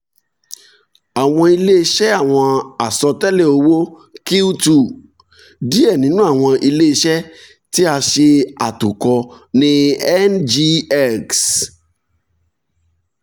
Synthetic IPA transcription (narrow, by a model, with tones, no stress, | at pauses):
a˨w̃ɔ̃˧i˧le˦i˧˦ʃɛ˦a˦˨w̃ɔ̃˧a˨sɔ˧tɛ˦le˦˨o˧wo˦ | ki˦u˦tu˨ | di˦ɛ˦˨nĩ˨˦nũ˦a˦˨w̃ɔ̃˧ʔi˧le˦i˧ʃɛ˦ | ti˦a˧ʃe˧a˨tu˨kɔ˧ | nĩ˧ɛ˦nd͡ʒi˧ɛ˦˨ks